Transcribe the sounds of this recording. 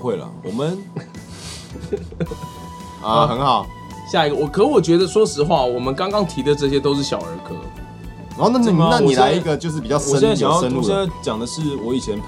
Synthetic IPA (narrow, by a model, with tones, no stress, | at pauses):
xwe˥˩ɪlə̰˩wɔ̰˨˩mə˨n | ɐxə˧˦nxɑ˨˩ʊ | ɕja˥˩i˧ɡə˧wɔ˨˩kʰə˨˧˥i˧˥wɔ˨˩t͡ɕɥɛ˧˥d̪ə˧swɔ˥ʂɻ̩˧˥xwa˥˩wɔ˨˩mə˨˦nkɑ˥ŋkɑ˥ŋt̪ʰi˨˥d̪ə˨ʈ͡ʂɤ˥˧ɕ̬jɛ˦˥t̪o˥ʊʂ̬ɻ̩˥˩ɕjɑ̰˨˩ʊə̰˧˥kʰɤ̰˧˩ | n˨˧˦ho˥˧na˥˧˥na˥˨ni˨˩la˧˦ɪi˧˥ɡə˨t͡ɕjo˥˧ʊʂ̬̩˥˩pi˨˩t͡ɕjɑ˥˧ɔ˨ə˦˥ɛ˥˨a˥˩jjə˦n˥˩ɕjɛ˥˧na˥˩ɪt͡ɕjɑ˨˩ŋd̪ə˦ʂɻ̩˥˩wɔ˨˦i˨t͡ɕʰjɛ˧˦npʰ